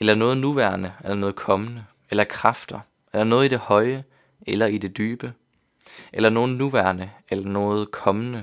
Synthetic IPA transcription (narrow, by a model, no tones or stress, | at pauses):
elɐnɔ̽ːð̞̩ˠnuʋæɐnəelɐnɔ̽ːð̞̩ˠkʰɒ̽mənə | elɐkʰʁɑfd̥ɐ | elɐnɔ̽ːðˠid̥e̝hɒ̽ɪə | elɐid̥e̝d̥yːb̥ə | ʔelɐno̝ːð̩ˠnuʋæɐnəelɐnɔ̽ːð̞̩ˠkʰɒ̽mənə